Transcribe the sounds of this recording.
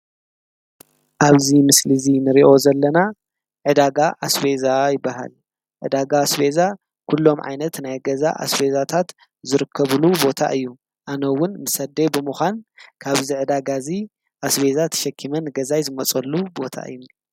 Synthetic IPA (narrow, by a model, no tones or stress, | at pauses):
ʔaβzimɨslizinɨɾiʔo̞zɐlːɐna | ʕɨd̪aɡaʔasbe̞zajɪbːaɦa̰l | ʕɨ̰d̪aɡasbeza | kʰulːo̞mʕa̰jnɐt̪najɡɐza̰ʔa̰sbezat̪ʰat̪ | zɨɾɨkʰːɐβɨlubo̞t̪ʰa̰ʔɨjːu | ʔanɐwʊnmɨsɐd̪ebɨmɨxʷankʰaβziʕɨd̪aɡazi | ʔasβe̞zat̪ʰɐ̥ʃɐkʰːimɐnɡɐzajzɨmɐt͡sʼɐlːubo̞t̪ʰa̰ʔɨ̰jːu